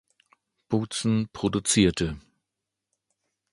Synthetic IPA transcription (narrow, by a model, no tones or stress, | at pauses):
b̥ut͡sn̩pʁ̥odut͡siːɐtʰə